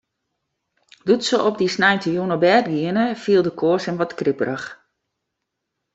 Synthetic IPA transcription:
dutsəʔɔp̚disnajntəjunəbɛːdɡiənəfiəlˠdəkʰoəsɛmʋɔtkripərəx

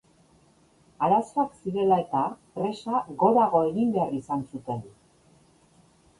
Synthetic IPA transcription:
aɾasoaksiɾe̞lae̞t̪apɾe̞saɣo̞ɾaɣo̞e̞ɣimbe̞arisansut̪e̞n

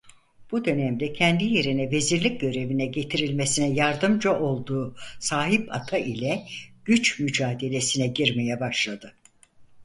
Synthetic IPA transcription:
b̥ud̪ø̞næmd̪ɛcʰɛnd̪ije̞ɾinɛve̞ziɾlʲic̚ɟø̞ɾe̞vinɛɟe̞t̪ʰiɾilʲmesinɛjaɾd̪ɯmd͡ʒaʔo̞lˠd̪uːsaːɦipa̰t̪ʰaʔilʲɛɟ̥yt͡ʃmyd͡ʒaːd̪e̞lʲe̞sinɛɟiɾmejɛbaʃlˠad̪ɯ

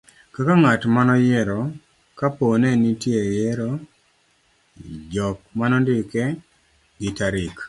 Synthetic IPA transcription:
kakaŋatmanɔjɛɾɔ | kaponɛnitjejɛɾɔ | d͡ʒɔk̚manɔndɪkɛ | ɡɪtaɾɪk

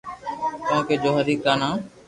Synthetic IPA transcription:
t̪õːkeːd͡ʒoːɦəɾiːkaːnãː

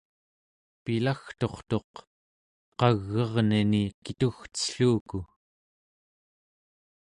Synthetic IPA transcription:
pilaxt̪o̞χt̪o̞q | qɑɣːʌʁninikit̪uxtə̥ɬuːku

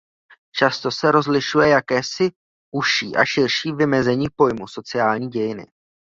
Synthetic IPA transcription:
t͡ʃast̪o̞sɛɾo̞zlɪʃujɛjakɛːsɪ | ʔuʃiːʔa̰ʃɪɾʃiːvɪmɛzɛɲiːpo̞jmuso̞t͡sɪaːlɲiːɟɛjɪnɪ̰

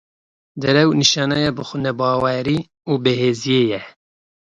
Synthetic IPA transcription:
d̪ɨɾɛwniʃɑːnɑjɑːbɨxʷʊnɛbɑːwɛɾiː | uːbeheːzijeːjɛ

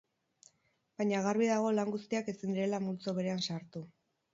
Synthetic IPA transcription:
bajɲaɣ̞aɾβiðaɣ̞o̞laŋɡust̪iake̞sind̪iɾe̞lamult͡so̞βe̞ɾe̞ansaɾt̪u

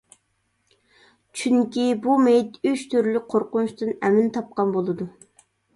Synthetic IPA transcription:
t͡ʃʰyŋkʲibumejt̪yʃt̪ʰyɾlyqʰoɾqʊnuʃt̪ɨnɛmɪnt̪ʰɑp̚qɑnbolˠɨd̪u

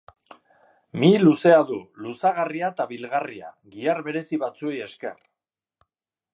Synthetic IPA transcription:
miluse̞aðulusaɣ̞ariat̪aβilɣaria̰ɣiarβe̞ɾe̞siβat͡sue̞je̞ske̞̰r

